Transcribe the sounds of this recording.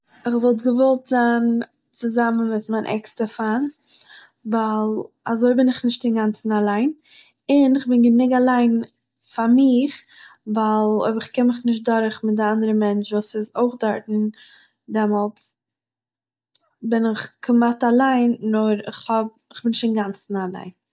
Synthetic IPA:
ɪχvɔlˠt̬ɡəvɔlˠtzan | t͡sɪzamən̩mɪtmaɪnʔɛ̰kstəfan | valˠazoɪbɪnɪχnɪʃt̚dɪŋɡant͡sn̩alˠaɪn | ɪnɪχbɪnɡənɪɡalˠaɪn | famɪχvalˠo̰ɪbəɾɪχkɛnmɪχnɪʃ̬t̚dɔɾχmɪt̚dɪandəɾəmɛnt͡ʃvuːsɪzoɪχdɔɾtn̩ | dɛmɔlˠt͡s | bɪnɪχkʰəmatalˠaɪnːɔɾɪχhɔb̚ɪχbɪnɪʃtɪnɡant͡sn̩alˠa̰ɪn

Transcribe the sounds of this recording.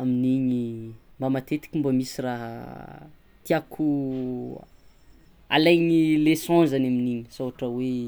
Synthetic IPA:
aminiɲimbamat̪et̪i̥kʲimbamisiraɦa̰ | t̪iakʰu | a̰lajɲilesɔ̃nzanaminiɲi̥soɦaʈ͡ʂəwe

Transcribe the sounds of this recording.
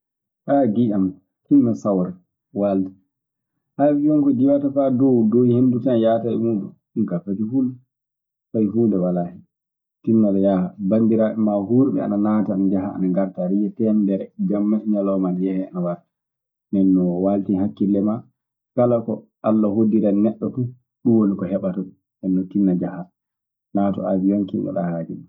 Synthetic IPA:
ʔaːɡiʔam | hinːasawɾɛ | waːlti̥ | hafijɔnkɔd͡ʒiwatafadɔwdohendutanjaːtaɛ̰muɗṵ | nkafatiful | fajfuːndɛwalahi | tinːalajahabandiɾaːʔɛmahuɾɓɛ̰a̰nanaːtaanad͡ʒaɦa̰ːnaŋɡaɾtaɾijɛtɛndɛɾɛd͡ʒamːaʔiɲalɔmanjɛhɛanawaɾtḁ | nɛnːɔwaltihakːilːɛma | kalakɔʔalːahodiɾanɛɗːɔfu | ɗuwolikɔhɛɓatɔɓɛ | nɛnːɔtinːad͡ʒaha | natɔ̰ʔa̰d͡ʒijɔŋkḭnʔɔ̰ɗahaːd͡ʒḭɗu

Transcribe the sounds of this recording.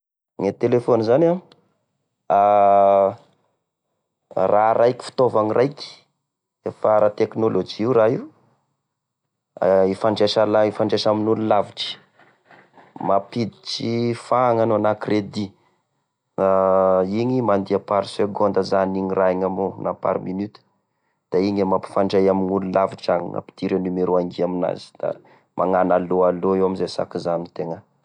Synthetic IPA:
ŋet̪elefonizana | a | raɾʔajki̥fi̥t̪ovaŋirʔajkʲi̥ | efaɾat̪eknolod͡ʒiiuraɦiu | ifaɳɖ͡ʐeʃalaifaɳɖ͡ʐeʃaminululaviʈ͡ʂi̥ | mapid̪iʈ͡ʂifaŋanoanakrʔed̪i | aiɲimand̪iapaɾiseɡond̪əzaniɲiraiɲamonapa̰ɾminyt̪u̥ | d̪̥aiɲamapi̥faɳɖ͡ʐajaminululaviʈ͡ʂaŋḭa̰pi̥t̪iɾenumeɾuaŋɡiamina̰z̥i̥d̪̥a̰ | mʔaŋanaloaloewamizesa̰kizanit̪eŋə

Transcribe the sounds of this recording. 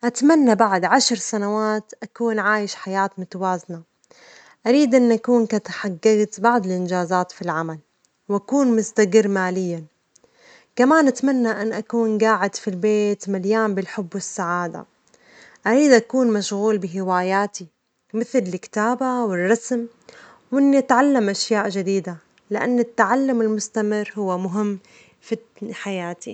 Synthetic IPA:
ʔat̪manːabaʕd̪ʕaʃɾsanawaːt̪ʔakuːnʕaːjɪʃħajaːt̪mʊt̪awaːzna | ʔaɾiːd̪ʔɪnːʔakuːnkat̪aħaɡːaɣt̪baʕd̪ˤɪlʔɪnd͡ʒaːzaːt̪filʕamal | wʔakuːnmʊst̪aɡɪɾːmaːlɪjːa | kamaːnʔat̪manːaʔanːʔakuːnɡaːʕɪd̪filbeːt̪maljaːmbɪlħʊbːwɪsːaʕaːd̪a̰ | ʔaɾiːd̪ʔakuːnmaʃɣuːlbɪɦɪwaːjaːt̪i | mɪθlɪlkt̪aːbawɪrˤːɑsm | wʔɪnːiʔat̪ʕalːamʔaʃjaːʔʒɪd̪iːd̪a | lɪʔa̰nːɪt̪ːaʕalːʊmɪlmʊst̪amɪrɦʊwːamʊɦɪmː | fi | ħajaːt̪ʰḭ

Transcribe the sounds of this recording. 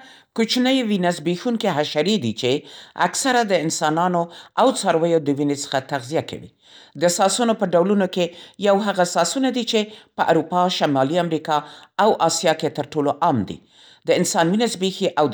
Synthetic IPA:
kot͡ʃnəjwinazbexuŋkeɦaʃaɾed̪it͡ʃea̰ksaɾad̪əɪnsɑnɑnoawt͡sɑɾwəjod̪əwinesə̥xat̪aɣzijakʰa̰wḭ | d̪əsɑsunopəɖawlunokejawɦaɣasɑsunad̪it͡ʃepəʔa̰ɾupɑʃamɑliamɾikɑawʔɑsjɑket̪əɾʈoloʔɑmd̪ḭ | d̪əɪnsɑnwinazbexiʔaw

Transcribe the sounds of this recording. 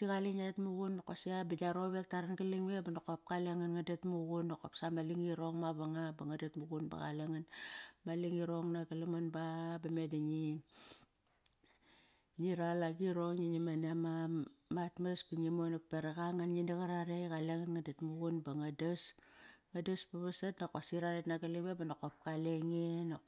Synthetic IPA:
tiɣaliɲatmuɣunːokosiabidaɾoβe̞k̚taɾanɡaliŋebanokop̚kaleŋanŋadatmuɡunːokopsamaliŋiɾoŋmaβaŋabaŋadatmuɡunba̰ɡa̰leŋanmaliŋiɾoŋnaɡalamanbabamedaɲi | ɲiɾalaɡiɾoŋɲiɲimanamamatmasbuɲimonak̚peɾaɡaŋanɲindaɣaɾaɾeɡaleŋanŋadatmuɡunbaŋadasŋadaspaβasatnokosiɾaɾetnaɡalibebanokop̚kaleŋino

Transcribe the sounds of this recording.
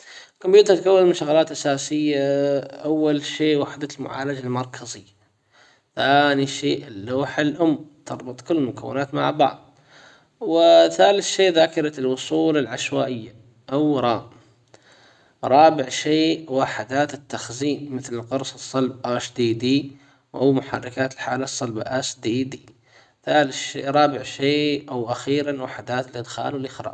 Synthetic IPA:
kʊmjuːt̪aɾt̪̚kawːɪlmɪnʃaɣalaːt̪ʔasaːsɪjːaʔawːalʃeːʔwaħd̪almʊ̰ʕa̰ːlad͡ʒalmɑɾˤkʰazɪjːa | θaːniʃeːʔɪlːoːħalʔʊmːt̪ɑɾˤbʊt̪ˤkʊlːmʊkawːɪ̰naːt̪ma̰ʕbɑ̰ʕðˤ | wɪθaːlɪθʃeːðaːkɪɾˤɑlwʊsˤuːlalʕaʃwaːʔɪjːa | ʔawɾˤɑːm | ɾˤɑːbɪʕʃeːwaħɪd̪aːt̪ɪt̪ːaxziːnmɪθlɪlqʊɾˤsˤɨsˤːɑlb̚ʔaʃd̪iːd̪iː | wʔawmʊħɑ̰rˤːɑkaːt̪ɪlħaːlasˤːɑlbaʔaʃd̪iːd̪iː | θaːlɪʃḛːɾˤɑːbɪʕʃeːʔawʔaxiːɾanwaħɪd̪aːt̪ɪlʔɪd̪xa̰ːlwɪlʔɪxɾˤɑ̰ː

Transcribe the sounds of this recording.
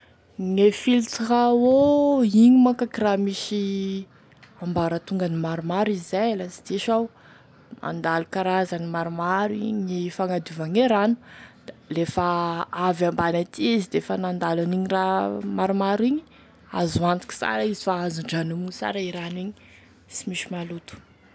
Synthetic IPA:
ŋefilt͡srawoiɲimakakiramiʃi | ambaɾət̪uŋɡanimaɾumaɾizizajalasi̥d̪iʃaw | mʔa̰nd̪alukaɾazanimaɾumaɾiɲifaŋad̪uvaŋeɾanu̥d̪̥alefaavambanat̪iizid̪efanand̪alaniɲiramaɾumaɾiɲi̥ | a̰zuant̪i̥ki̥sa̰ɾaizifaazuɳɖ͡ʐanumusa̰ɾaiɾaniɲi | simiʃimalut̪u̥

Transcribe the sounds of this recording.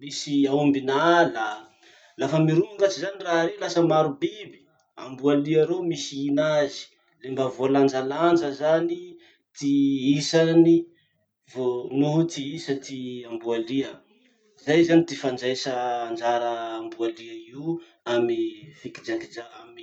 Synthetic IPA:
misiaumbinalə | lafəmiɾuuŋɡat͡ʃizaniraɦɾelasəmaɾubibi̥ | a̰mbualiaɾomisiinazi̥ | lembəvoland͡ʒaland͡ʒəzani | t̪iisani | vonuɦt̪iisət̪iambualiə | zajzanit̪ifand͡ʒajsəːnd͡ʒaɾəːmbualiəiu | amifikid͡ʒakid͡ʒaami

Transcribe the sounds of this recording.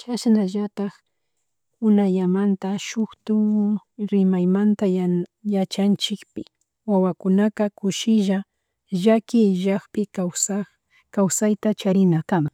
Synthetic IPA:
t͡ʃaʃnaʒat̪ɑx | ʊnaʎamant̪aʃʊxt̪ʊɾɪmajmant̪ajat͡ʃant͡ʃɪkpɪ | wawakʊnakakʊʃɪʒa | ʒakɪʒaχpɪkasa | kawsajt̪at͡ʃaɾɪnakama

